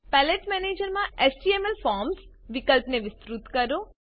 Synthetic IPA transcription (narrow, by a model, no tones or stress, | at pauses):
pɛleʈmɛːneːd͡ʒɐɾmaːʔesʈiemelpʰaːɾmsʋikɐlpɐneʋist̪ɾut̪kɐɾu